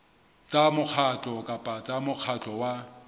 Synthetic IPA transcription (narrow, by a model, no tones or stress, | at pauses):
t͡sʼamʊk͡xʰat͡ɬʼɔkʼapʼat͡sʼamʊq͡χʰat͡ɬʼɔwa